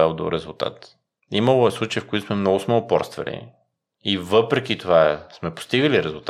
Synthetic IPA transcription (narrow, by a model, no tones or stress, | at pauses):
ɛlˠd̪o̰ɾɛzʊlˠt̪a̰t̪ | imɐlˠoɛslˠut͡ʃəjfkoit̪ʊsmɛmnɔɡʊsmɛʊpɔ̰ɾst̪vɐ̰lḭ | ivɤpɾɛk̟it̪ovaɛsmɛpʊ̥st̪iɡəliɾɛzʊlˠt̪